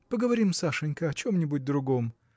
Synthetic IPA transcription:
pəɡəvɐɾʲimsaʂɨnʲkəɐt͡ɕomnʲɪbʊt̚ʲd̪ɾʊɡo̞m

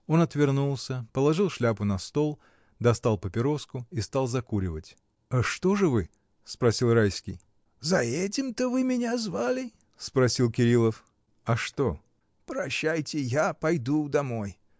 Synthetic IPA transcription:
o̞nɐt̪vʲɪrnulˠsʲəpəlˠɐʐɨlˠʂlʲapʊnɐst̪o̞lˠ | d̪ɐst̪alˠpəpʲɪɾo̞skʊist̪ɑlˠzɐkuɾʲɪvətʲ | aʂt̪o̞ʐɨvɨ | spɾɐsʲilˠrajskʲɪj | zɐɛtʲɪmt̪əvɨmʲɪnʲazvalʲɪ | spɾɐsʲilˠkʲɪɾʲilˠəf | ɐʂt̪o̞ | pɾɐɕːæjtʲɪjapɐjd̪ud̪ɐmo̞j

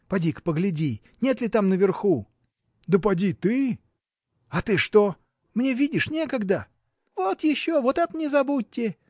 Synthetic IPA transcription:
pɐdʲikpəɡlʲɪdʲi | nʲe̞t̪lʲɪt̪amnəvʲɪrxu | d̪əpɐdʲit̪ɨ | ɐt̪ɨʂt̪o̞ | mnʲevʲidʲɪʂnʲe̞kəɡd̪ə | vot̪jɪɕːovot̪at̪nʲɪzɐbut̚ʲːɪ

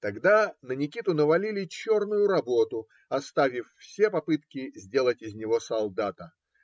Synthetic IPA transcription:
t̪ɐɡd̪anənʲɪkʲit̪ʊnəvɐlʲilʲɪt͡ɕo̞rnʊjʊɾɐbo̞t̪ʊ | ɐst̪avʲɪffsʲepɐpɨt̪kʲɪzʲdʲe̞lˠətʲɪzʲnʲɪvo̞sɐlˠd̪at̪ə

